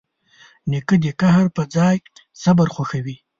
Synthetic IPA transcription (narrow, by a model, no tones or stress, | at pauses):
nikəd̪ekaɦaɾpəd͡zɑːj | sabəɾxaxawi